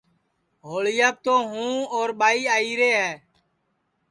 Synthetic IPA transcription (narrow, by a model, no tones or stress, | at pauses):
ɦoːɭɪjaːp̚t̪oːɦũːoːɾɓaːiːaːiːɾeːɦɛː